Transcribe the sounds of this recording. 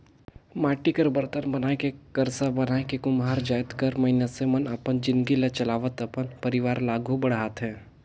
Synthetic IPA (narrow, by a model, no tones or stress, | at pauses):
maːʈikəɾbəɾt̪ənbɐnaːekekɐɾsabɐnaːekekʊmɦaːɾd͡ʒaːjt̪kəɾmɐɦɪnasemɐnɐpənd͡ʒɪ̃nd̪ɡilet͡ʃɐlaːʋət̪əpənpɐɾɪʋaːɾlaːɡʱubɐɽaːt̪ɦɛ̃ː